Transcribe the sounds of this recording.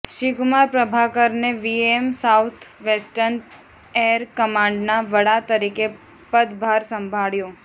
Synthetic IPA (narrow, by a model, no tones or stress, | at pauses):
ʃiɡmaɾpɾəbʱakəɾneʋiemsawt̪ʰʋesʈən | eɾkəmãɳɖnaʋəɽat̪əɾike | pəd̪bʱaɾsəmbʱaɭjõ